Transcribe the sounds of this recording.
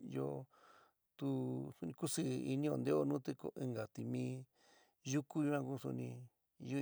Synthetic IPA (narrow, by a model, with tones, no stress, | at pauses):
jo˦˧ | t̪u˦su˧nĩ˧ku˦sɨ˦˧i˧nĩ˦˧o˧nd̪e˦o˦˧nũ˦t̪e˧ko̰˧ʔi˧ŋɡa˨t̪i˧˨mĩː˧˦ | ju˦ku˦ju˧˦ã˧ku˦˧sṵ˧nĩ˧ | ju˦